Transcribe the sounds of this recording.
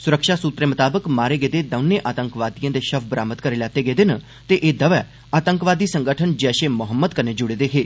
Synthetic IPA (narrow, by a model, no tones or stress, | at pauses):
sʊɾəkʃaːsuːt̪ɾeːmət̪aːbəkmaːɾeːɡeːd̪eːd̪əʋneʔaːt̪ə̃ŋkʋaːd̪ijãːd̪eːʃəbʰbɾaːmət̪̚kəɾeːlɛːt̪eːɡeːd̪enə | t̪eʔeːd̪əʋɛː | aːt̪əŋkʋaːd̪iːsə̃ŋɡəʈʰənd͡ʒɛːʃeːmʊɦəmːəd̪kəneːd͡ʒʊɽeːd̪eːɦeː